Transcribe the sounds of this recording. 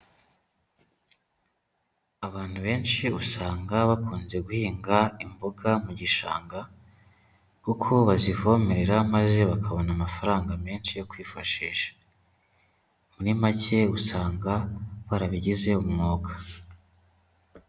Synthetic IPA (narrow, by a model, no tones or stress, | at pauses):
aβaːn̥huβe̞ːnʃiusaːŋɡaβakuːnze̞ɡuhiːŋɡaimboɡamuɟiʃa̰ːŋɡa | kukʰo̞βazivomeɾeɾamaze̞βakʰaβo̞namafaɾaːŋɡameːnʃijo̞kwiːfaʃiːʃḁ | muɾimacʰe̞usaːŋɡaβaɾaβiɟize̞umŋoːɡḁ